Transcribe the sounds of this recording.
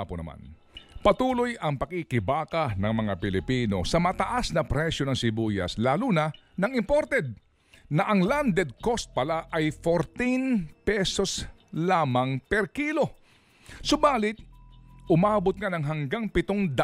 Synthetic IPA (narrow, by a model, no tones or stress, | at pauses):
ponɐ̰ma̰n | pɐt̪uːlo̞jɐŋpɐkɪkɪbaːkɐnɐŋmɐŋapɪlɪpiːno̞̰sɐmɐt̪ɐʔasnɐpɾɛʃjo̞nɐŋsɪbujɐ̰slaːlunɐ | nɐŋɪmpoɾt̪ɛd̪̚ | nɐʔɐŋland̪ɛd̪̚ko̞st̪̚pɐlaʔɐjfoɾt̪inpɛso̞slaːmɐŋpɛɾkiːlo̞ | sobaːlɪt̪̚ʔʊmaːbot̪̚ŋanɐŋɦɐŋɡaŋpɪt̪oŋd̪ɐ